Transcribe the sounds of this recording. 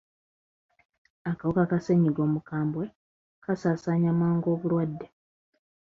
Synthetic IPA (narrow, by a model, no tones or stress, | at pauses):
akawukakaseɲiɡo̞ːmukaːmbwe | kasaːsaɲamaːŋɡo̞ːβulwadːe̞